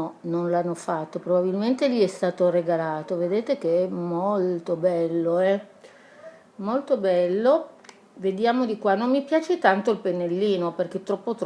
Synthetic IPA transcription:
ɔnonlanːofat̪ːopɾobabilment̪eʎiɛst̪aːt̪oreɡalaːt̪oved̪eːt̪ek̟eɛmolt̪obɛlːoɛ | molt̪obɛlːo | ved̪jaːmod̪ikwanːomːipjaːt͡ʃet̪ant̪oilpenːelːiːnoperk̟et̪ːɾɔpːot̪

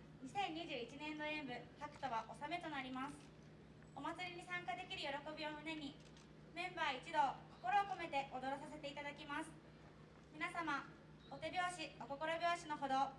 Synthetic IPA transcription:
ɲ̟isẽ̞ɲ̟ːiʑɨːit͡ɕinẽ̞nd̪o̞ẽ̞mbɯ̟hakɯ̟̥t̪o̞βaʔo̞same̞t̪o̞naɾʲimasɨ̥ | omat͡sɨɾʲiɲ̟isãŋkad̪e̞kʲiɾɯ̟jo̞ɾo̞ko̞bʲio̞mɯ̟ne̞ɲ̟i | mẽ̞mbaːit͡ɕid̪o̞ko̞ko̞ɾo̞ːko̞me̞t̪e̞ʔo̞d̪o̞ɾo̞s̬as̬e̞t̪e̞it̪ad̪akʲimasɨ̥ | mʲinasama | ot̪e̞bʲjo̞ːɕioko̞ko̞ɾo̞bʲo̞ːɕino̞ɦo̞d̪o̞

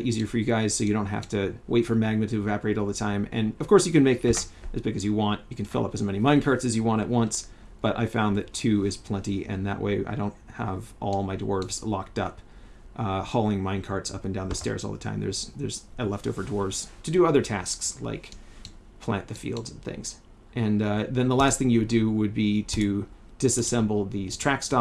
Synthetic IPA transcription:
ʔiziə˞fə˞jɨɡaɪz̥soʊjɨɾõʊ̃nt̚ɦæ̰ftɨweɪtfə˞mæɡ̚nɨɾɨːvæpə˞eɪɾɔlˠðətʰãɪ̃mɨ̰̃nʌv̥kʰɔɹsjɨkɨ̃nmeɪk̚ðɪsʔɨzbɪɡɨzjɨwɑ̃nt͡ʃɨkɨ̃n̩fɪ̰lˠʌ̰pɨzmɛnimãɪ̃nkʰɑɹtsɨzjɨwɑ̃ɾ̃ɨ̰ʔ̚wʌ̃ns | b̥ʌɾʔa̰ɪfãʊ̃nðɨtʰʉɪz̥pʰl̥ɛ̃ntiʔɨ̰̃nðɨ̰ʔwʔḛɪʔa̰ɪɾõʊ̃nt̚həvʔɔlˠmaɪdwɔɹvz̥lɑk̚tʌp | ʔhɔlˠɪ̃ŋmãɪ̃nkʰɑɹtsʌ̰pn̩dãʊ̃nðɨstɛ̰ɹzɔ̰lˠðətʰã̰ɪ̃mðə̰˞z̥ðə̰˞zɨlɛfto̰ʊvə˞dwɔɹvz̥tʰɨdɨʌðə˞tʰæ̰sksla̰ɪk | pʰl̥æ̰̃nðɨfḭlˠdzn̩θɪ̰̃ŋz̥ | ʔɨ̃nʌðɨ̃nðəlæst̚θɪ̃ŋjɨwɨdɨwəd̚biɾɨ | d̥ɨsɨsɛ̃mbl̩ˠðiz̥tʰɹ̥ækstɑ

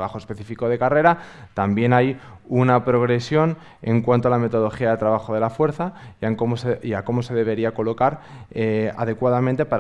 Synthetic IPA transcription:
βaxoespe̞θi̥fiko̞ð̞e̞kare̞ɾat̪ambje̞naj | unapɾo̞ɣ̞ɾe̞sjo̞n | e̞ŋkwant̪oalame̞t̪o̞ðo̞xiaðe̞t̪ɾaβ̞axo̞ð̞e̞lafwe̞ɾθaaŋkomoseiako̞mo̞se̞ðe̞β̞e̞ɾiako̞lo̞kaɾea̰ð̞e̞kwaðamẽnt̪e̞paɾ

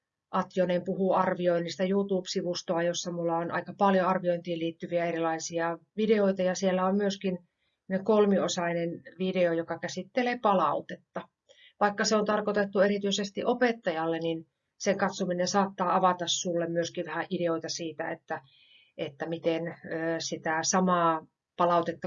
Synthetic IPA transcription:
ʔɑt̪jonempuhuɑrʋioinːist̪ɑjuːt̪uːpsiʋust̪oɑjosːɑmulːɑonʔɑ̰ikɑpɑljoɑrʋioint̪iːliːt̪ːyʋiæerilɑisiɑʋideoit̪ɑjɑsielːæommyøskin | nekolmiosɑinenʋideojokɑkæsit̪ːeleːpɑlɑut̪et̪ːɑ | ʋɑikːɑseont̪ɑrkot̪et̪ːuerit̪yisest̪iʔopet̪ːɑjɑlːenin | seŋkɑt̪suminensɑːt̪ːɑːɑʋɑt̪ɑssulːemmyøskiʋʋæhæʔideoit̪ɑsiːt̪æet̪ːæ | et̪ːæmit̪enøːsit̪æsɑmɑː | pɑlɑut̪et̪ːɑ

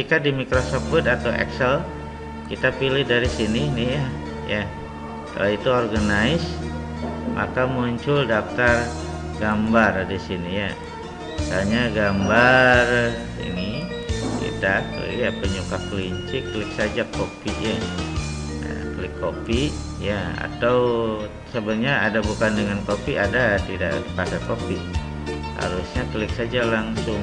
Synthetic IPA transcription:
ikadimikɾosɔpət̪at̪awʔɛ̰ksɛl | kit̪apilɪhdaɾisininɪhja | ja | ka̰loit̪uorɡanaɪs | mʔa̰kamuɲt͡ʃʊldaft̪ar | ɡambardisinija | saɲaɡambar | ḭni | bḭtala̰diapəɲukakliɲt͡ʃɪklɪksad͡ʒakopiʔja | ja̰kəlɪkːopiʔ | jaa̰t̪aw | səbərɲaːdabukandəŋankopiʔadat̪ida̰ʔpasakopiʔ | ha̰ɾusɲakəlɪk̚sad͡ʒalaŋsʊŋ

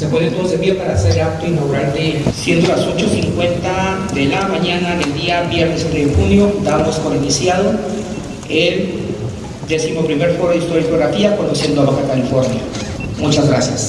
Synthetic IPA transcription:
sepwenent̪onsebiopaɾaseɾeap̚t̪oinaɣuɾaɾd̪esje̞nd̪o̞laso̞t͡ʃo̞siŋkwe̞nt̪aðe̞lamaɲanaðeld̪iaβjeɾnesuneðexunjo̞d̪amoskoɾinisjað̞o | el | d̪e̞simo̞pɾime̞ɾfo̞ɾoðist̪o̞ɾikoɾat̪iakond̪osjend̪oaβaxakalifo̞ɾnja̰mut͡ʃazɣɾasjas

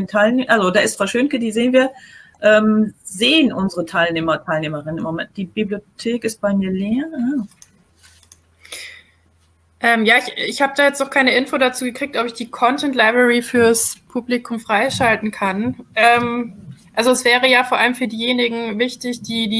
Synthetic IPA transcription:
ntʰaɪlneːʔalzodaːɪstfʁ̥aʃønkədiːzeːnviːɐʔɛːmzeːənʔʊnzəʁətʰaɪlneːmɐtʰaɪlneːmɐʁɪnənɪ̰mːomɛnt̚d̥iːb̥ibliotʰeːkɪst̚b̥aɪmiːɐleːɐa | ʔɛːmjaːɪçɪçhaːbədaːjɛt͡stnɔχkʰaɪnəʔɪnfoːdat͡suːɡəkʁ̥iːk̚tʔɔpɪçd̥iːkʰɔntʰɛntlaɪbʁɛʁifyːɐspʰublikʰʊmfʁ̥aɪʃaltn̩kʰanʔɛːmʔalzoɛsv̥ɛːʁəjaːfoːɐʔaləmfyːɐdiːjeːnɪɡŋ̩vɪçtɪçd̥iːdiː

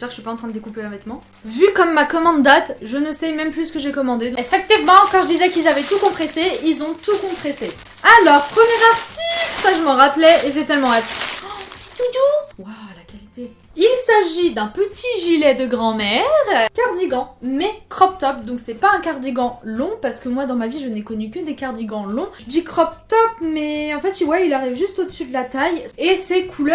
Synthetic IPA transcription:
ɛpɛʁəʃɥipaɑ̃t̪χɛ̃d̪əd̪ekupeɛ̃vɛt̪mɑ̃ | vykɔmːakɔmɑ̃d̪ːat̪ʒənəsɛmɛmplysə̥kəʒekɔmɑ̃d̪ed̪fak̚t̪ivmɑ̃kɑ̃ʁʒəd̪izɛkilzavɛt̪ukɔ̃pχeseilzɔ̃t̪ukɔ̃pχese | alɔʁpχəmjɛʁaʁt̪iksaʒəməʁaplɛeʒet̪ɛlmɑ̃at̪si̥t̪ud̪uwalakʲalit̪e | ilsaʒid̪ɛ̃pət̪ʰiʒilɛd̪əɡʁɑ̃mɛʁkaʁd̪iɡɑ̃mɛkχɔpt̪ɔp̚d̪ɔ̃ksɛpaɛ̃kaʁd̪iɡɑ̃lɔ̃paʁsə̥kəmwad̪ɑ̃maviʒənɛkɔnykəd̪ekaʁd̪iɡɑ̃lɔ̃əd̪ikχɔpt̪ɔpmɛɑ̃fɛt̪̚t̪yvwailaʁivʒyst̪od̪əsyd̪əlat̪ajesɛkʰulœ

